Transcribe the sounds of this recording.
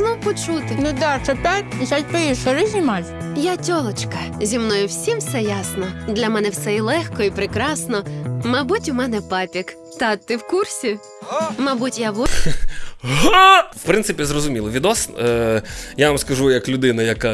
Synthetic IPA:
nɔwpɔt͡ʃut̪ɪnud̪ɑt͡ʃɐt̪azajʲpɪsɐɾɪzʲnʲmɑlʲ | jatʲɔlˠɔt͡ʃkɐzʲimnɔjʊwsʲimfsɛjasnɔd̪lʲɐmɛnɛwsɛilˠɛxkɔipɾɪkɾɑsnɔmɐbutʲʊmɛnɛpɑpʲik | t̪ɐtt̪ːɪwkursʲi | mɐbutʲjaʋɔ | ɦowpɾɪnsɨɪpʲizrɔzʊmʲilˠɔʋʲid̪ɔs | jaʋɐmskɐʒujɐklʲʊd̪ɪnɐjɐka

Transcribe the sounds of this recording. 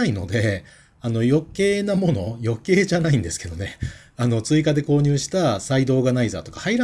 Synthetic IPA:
aino̞̰d̪e̞ | ano̞jo̞ke̞ːnamo̞no̞jo̞ke̞ːʑanaĩnd̪e̞sɨ̥ke̞d̪o̞ne̞ | ano̞t͡sɨikad̪e̞ko̞ːɲ̟ɨːɕi̥t̪asaid̪o̞ːɡanaiza̰ːt̪o̞kḁhaiɾa

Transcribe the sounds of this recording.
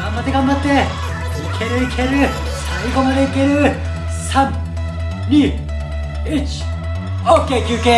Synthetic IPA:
ɡãmbat̪ːeɡãmbat̪ːe̞ | ikʰeɾɯikʰeɾɯ | aikomaɾeikeɾɯ | sãn | nʲiː | it͡ɕi̥ | okekɨke

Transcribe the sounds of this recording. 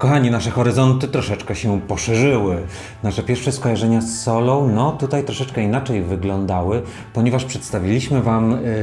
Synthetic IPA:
kɔxaɲinaʂɛxɔɾɘzɔnt̪ɘt̪ɾɔʂɛt͡ʂkɛɕɛpɔʂɛʐɘwɘ | naʂɛpʲjɛɾfʂɛskɔjaʐɛɲasːɔlɔ̃wnɔt̪ut̪ajt̪ɾɔʂɛt͡ʂkɛinat͡ʂɛjvɘɡlɔnd̪awɘ | pɔɲɛvaʂpʂɛt̪st̪avʲilʲiɕmɘvam

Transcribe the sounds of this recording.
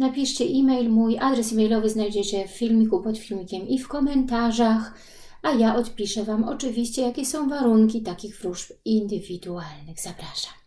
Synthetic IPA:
napʲiʂt͡ɕɛʔimɛjlmujʔad̪ɾɛs̬imɛjlɔvɘznajd͡ʑɛt͡ɕɛffʲilmʲikupɔt̪fʲilʲmʲikʲɛmifkɔmɛnt̪aʐax | ajaʔɔt̪pʲiʂɛvamɔ̰t͡ʂɘvʲiɕt͡ɕɛjakʲɛsɔ̃w̃vaɾuŋkʲit̪akʲiɣvɾuʐpind̪ɘvʲid̪ualnɘɣz̥apɾaʂḁm

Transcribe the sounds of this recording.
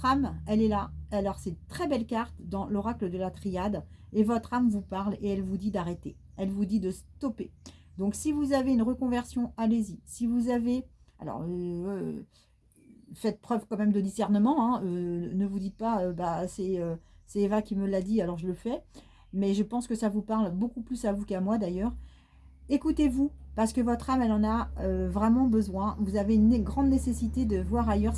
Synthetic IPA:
t̪χamɛlɛlaalɔʁsɛt̪χɛbɛlkaʁt̪d̪ɑ̃lɔʁakləd̪əlat̪χijad̪evɔt̪χamvupaʁleɛlvud̪id̪aʁet̪e | ɛlvud̪id̪əst̪ɔped̪ɔ̃ksivuzaveynʁəkɔ̃vɛʁsjɔ̃alezisivuzave | a̰lɔ̰ʁø | fɛt̪̚pχœvkɑ̃mɛmd̪əd̪isɛʁnəmɑ̃ɛ̃ønəvud̪it̪̚paøbasɛøsɛːvakʲiməlad̪ialɔʁʒələfɛ | mɛʒəpɑ̃skəsavupaʁlbokuplysavukamwad̪ajœːʁ | ekut̪evupaʁsə̥kəvɔt̪χamɛlɑ̃naøvʁɛmɑ̃bəzwɛ̃vuzaveynɡʁɑ̃d̪nesesit̪ed̪əvwaʁajœʁ

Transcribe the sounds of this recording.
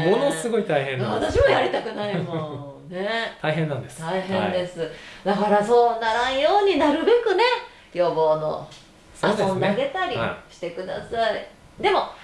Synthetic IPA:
monosɨɡo̞it̪aiɦẽnanaɕimojaɾʲit̪akɯ̟naimõ | ne̞t̪aiɦẽnːãnd̪est̪aiɦẽnd̪e̞sɨd̪akaɾaso̞ːnaɾãɰ̃jo̞ːɲ̟inaɾɯ̟be̞kɯ̟ne̞ | jʲo̞ːbo̞ːno̰ | soasõnaɡe̞t̪aɾʲiɕi̥t̪e̞kɯ̟d̪a̰sai | d̪e̞mo̞

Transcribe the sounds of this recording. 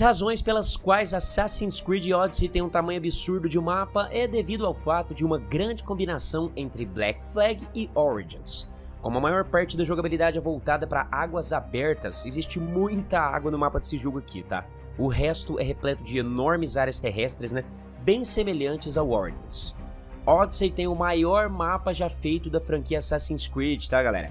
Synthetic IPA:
ɐshazõj̃spelɐskwajzasasĩskɾid͡ʒɪɔd͡ʒsɪt̪ẽj̃ũt̪amɐ̃jʊabisuɾd̪ʊd͡ʒɪʊmapɐʔɛd̪evid̪ʊawfat̪ʊd͡ʒɪũmɐɡɾɐ̃nd͡ʒɪkõmbinasɐ̃w̃ẽnt̪ɾɪblɛ̰kflɛɡɪɔɾḭɡḭ̃s | kõmʊɐmajɔɾpaɾt͡ʃɪd̪ɐʒoɡabilid̪ad͡ʒɪɛvowt̪ad̪ɐpɾɐʔaɡwɐzabɛɾt̪ɐ̰sezist͡ʃɪmũj̃t̪ɐa̰ɡwɐnʊmapɐd̪ɪsɪʒuɡakʰḭt̪a̰ | ʊɦɛst̪ʊʔɛɦeplɛt̪ʊd͡ʒɪenɔɾmɪzaɾjɐst̪eɦɛst̪ɾɪznɛ̃ | bẽj̃semeʎɐ̃t͡ʃɪzawɔɾḭɡḛ̃s | ɔd̪sejt̪ẽj̃ʊmajɔɾmapɐʒafejt̪ʊd̪ɐfɾɐ̃ŋkiɐasasĩskɾit͡ʃt̪aɡalɛ̰ɾɐ̰

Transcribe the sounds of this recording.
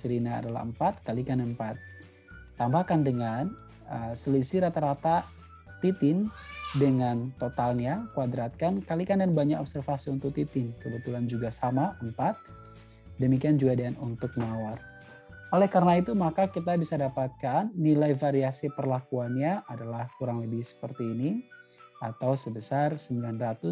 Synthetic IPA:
səɾina̰ːdala̰ɦəmpat̪̚kalikanəmpat̪̚ː | ambahkandəŋan | əsəlisiɾat̪aɾat̪a | t̪it̪ɪndəŋant̪ot̪alɲakuadɾat̪̚kankalikandanbaɲakɔbsərfasiunt̪ʊk̚t̪it̪ɪnkəbət̪uland͡ʒuɡasamaʔəmpat̪̚ | dəmikiand͡ʒuɡadanunt̪ʊk̚nawar | olɛhkaɾənait̪umakakit̪̬abisadapat̪̚kanːilajfaɾiasipərlakuanɲaʔadalahkuɾaŋləbɪhsə̥pərt̪iːni | at̪awsəbəsarsəmbilanrat̪u

